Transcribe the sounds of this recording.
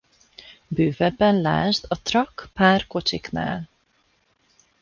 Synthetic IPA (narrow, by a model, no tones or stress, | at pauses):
bøːvɛbːɛnla̰ːʒd̪ɒt̪rɒkpaːrko̞t͡ʃikna̰ːl